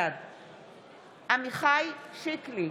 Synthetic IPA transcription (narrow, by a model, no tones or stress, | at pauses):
ad̪ | ʔamiχajʃikli